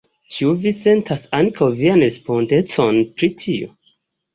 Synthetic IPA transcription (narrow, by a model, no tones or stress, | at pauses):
t͡ʃiuvise̞ntʰasaŋkʰawvianɾespondet͡sonpɾitʰio̰